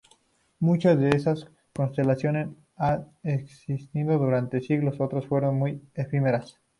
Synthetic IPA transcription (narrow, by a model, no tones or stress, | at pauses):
mut͡ʃazðe̞esas | ko̞nst̪e̞lasjo̞nes | an | eksist̪iðo̞ðuɾant̪e̞siɣlo̞so̞t̪ɾosfwe̞ɾo̞nmujefimeɾas